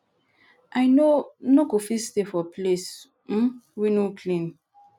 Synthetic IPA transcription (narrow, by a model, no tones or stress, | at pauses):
ajnonokofistefɔples̩ | winokʰlĩn